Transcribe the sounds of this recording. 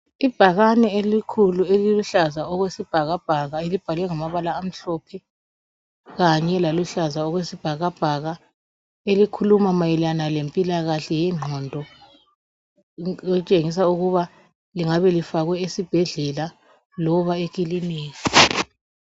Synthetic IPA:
ib̥ʱaɣanɛelikʰulueliluɬazaɔɣwesib̥ʱaɣab̥ʱaɣaelib̥ʱalwɛŋamaβalaːm̩ɬɔpʰɛ | ɣaɲɛlaluɬazaɔɣwesib̥ʱaɣab̥ʱaɣa | elikʰulumamajɛlanalempʼilaɣaɬɛjɛŋ͡ǃʱɔndʱɔ | ɛut͡ʃʼeŋis̬auɣuβa | liŋaβɛlifaɣwɛisib̥ʱɛɮɛla | lɔβaeɣilineːji

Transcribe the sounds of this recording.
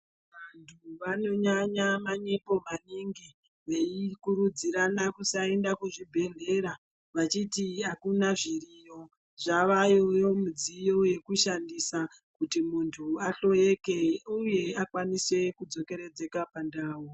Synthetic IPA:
ʋantʰuʋano̞ɲaɲamaɲe̞po̞maniŋɡi | ʋe̞ikuɾud͡ziɾanakusae̞ndakuʐibʱe̞ɮe̞ɾa | ʋat͡ʃitiakunaʐirijo̞ | ʐaʋajojo̞mud͡zijo̞je̞kuʃandisa | kutimuntʰuaɬo̞e̞keuje̞akwanise̞kud͡zo̞ke̞ɾe̞d͡ze̞kapandaːwo

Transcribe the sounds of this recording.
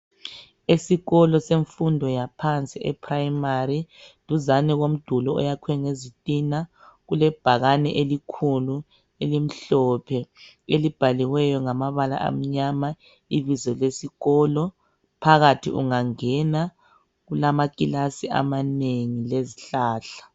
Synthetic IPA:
esiɣɔlɔseɱfundʱɔjapʰant͡sʼiʔɛpʰrajmaridʱuzanɛɣom̩d̥ʱulɔɔ̰jakʰwɛŋezitʼina | ɣulɛb̥ʱaɣanɛ̰ʔelikʰulu | elim̩ɬɔpʰɛ | elib̥ʱaliwɛjɔŋamaβala̰ʔa̰m̩ɲama | iβizɔlesiɣɔːlɔ | pʰaɣatʰḭʔṵŋaŋɛna | ɣulamakʼilasia̰maneŋileziɬaːɬḁ

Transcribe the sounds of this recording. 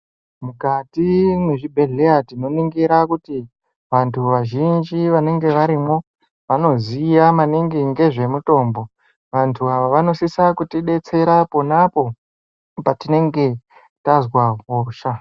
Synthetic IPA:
mukatine̞ʐibʱe̞ɮeatino̞niŋɡiɾakuti | ʋantʰuʋaʒind͡ʒiʋane̞ŋɡe̞ʋaɾimo̞ | ʋano̞zijamaneŋɡiŋɡe̞ʐe̞muto̞ːmbo̞ | ʋantʰuaʋaʋano̞sisakutiɗe̞t͡se̞ɾapo̞napo̞ | patine̞ŋɡe̞ | tazwaɦoːʃa

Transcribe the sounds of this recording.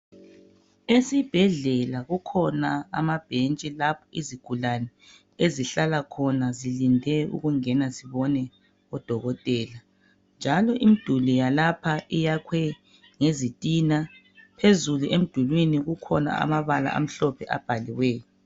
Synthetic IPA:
esib̥ʱɛɮɛlaɣukʰɔnaamab̥ʱent͡ʃʼilapʰɔiziɡ̥ʱulanɛ | eziɬalakʰɔnazilindʱɛṵɣuŋɛnasiβɔnɛ | ɔd̥ʱɔɣɔtʼɛːla | nd͡ʒʱalɔʔimid̥ʱulijalapʰaʔijakʰwɛ | ŋezitʼina | pʰezuluʔem̩d̥ʱulwiniɣukʰɔna̰a̰maβala̰ʔa̰m̩ɬɔpʰɛʔa̰b̥ʱaliwɛːjɔ

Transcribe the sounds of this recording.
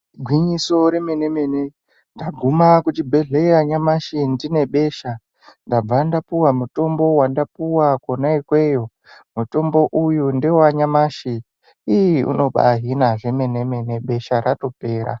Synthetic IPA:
ɡʱwiɲiso̞ɾe̞me̞ne̞me̞ne | ndaɡʱumakut͡ʃibʱe̞ɮeaɲamaʃindine̞ɓe̞ːʃa | ndab͡vandapuwamuto̞mbo̞wandapuwakwonaikwe̞jo̞ | muto̞mbo̞ʔujundewaɲamaːʃiː | jiṵno̞ɓa̰ɦinaʐe̞me̞ne̞me̞ne̞ɓe̞ʃaɾato̞pe̞ːɾa̰

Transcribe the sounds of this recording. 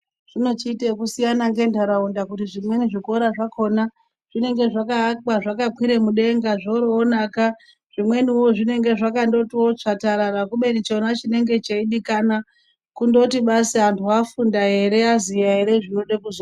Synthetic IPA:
ʐ̥ino̞t͡ʃitekusijanaŋɡe̞ndaɾaundakutiʐimwe̞niʐiko̞ɾaʐako̞na | ʐ̥ine̞ŋɡe̞ʐakaːkaʐakakwiɾe̞muɗe̞ŋɡaʐoɾoːnaka | ʐ̥imwe̞niwo̞ʐine̞ŋɡe̞ʐakando̞tiwo̞t͡ʂataɾaɾakuɓe̞nit͡ʃonat͡ʃine̞ŋɡe̞t͡ʃaiɗikana | kundo̞tiɓaseɦantʰuafundaɦe̞ɾe̞azijaɦe̞ɾe̞ʐino̞ɗekuzo

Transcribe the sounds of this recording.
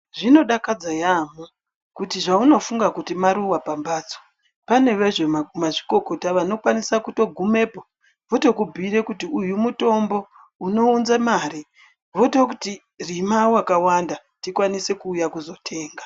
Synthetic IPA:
ʐino̞ɗakad͡zajamo | kutiʐauno̞fuŋɡakutimaɾuwapambaːt͡so̥ | pane̞ʋe̞ʐemaʐi̥ko̞ko̞taʋano̞kwanisakuto̞ɡʱume̞ːpo | ʋoto̞kubʱiɾe̞kutiujumuto̞mbo̞ | uno̞unzamaːɾi | ʋoto̞kuti | rimawakawanda | tikwanise̞kuːjakuzo̞tʰe̞ːŋɡa

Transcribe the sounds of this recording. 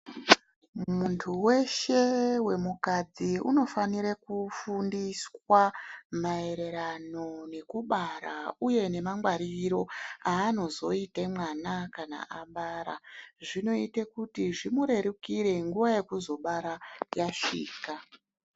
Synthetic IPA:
muntʰuwe̞ʃe̞we̞mukad͡ziṵno̞faniɾekufundiswamae̞ɾe̞ɾano̞ne̞kuɓaɾauje̞ne̞maŋɡwaɾiɾo̞aːno̞zo̞itemwanakana̰ʔaɓaɾa̰ʐino̞itekutiʐimuɾe̞ɾukiɾe̞ŋɡuʋaje̞kuzo̞ɓaɾajaʂḭːka

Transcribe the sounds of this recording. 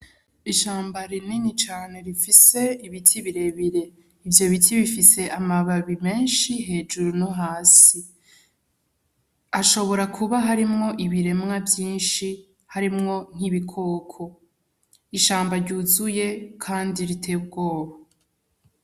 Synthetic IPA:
iʃaːmbaɾininit͡ʃaːne̞ɾifise̞iβitʰiβiɾe̞βiɾe̞ | ivjo̞βitʰiβifise̞ʔamaβaβime̞ːnʃiɦe̞ːd͡ʒuɾunoɦaːsi | aʃo̞βo̞ɾakʰuβaɦaɾimŋo̞ʔiβiɾe̞mŋavjiːnʃi | haɾimŋo̞n̥hiβikʰo̞ːkʰo̞ | iʃaːmbaɾɟuːzuje̞kʰaːndiɾitʰe̞ːbɡo̞ːβa

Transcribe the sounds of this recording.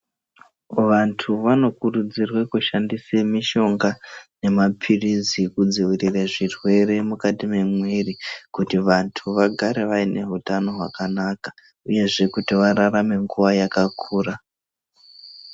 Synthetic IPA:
ʋantʰuʋano̞kurud͡zirwekuʃandisemiʃo̞ŋɡane̞mapʰirizikud͡ziʋirireʐirwe̞ɾe̞mukatime̞mwirikutiʋantʰuʋaɡʱaɾe̞ʋaine̞ɦutano̞ɦwa̰kanakḁ | uje̞ʐe̞kutiʋaɾarame̞ŋɡuʋajakakʰuːra

